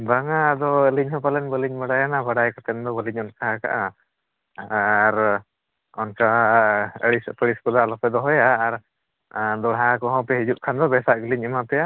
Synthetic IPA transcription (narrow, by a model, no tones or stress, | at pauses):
baŋad̪ɔəliɲɦɔ̃palɛnbəliɲbaɽajanabaɽajkat̪ɛnd̪ɔbəliɲɔnkaka̰ʔa | aɾ | ɔnka | əɽispəɽispɔd̪alɔpɛd̪ɔɦɔjaːɾ | d̪ɔɽɦakɔɦɔ̃pɛɦid͡ʒuʔkʰand̪ɔbɛsaʔɡəliɲɛmapɛja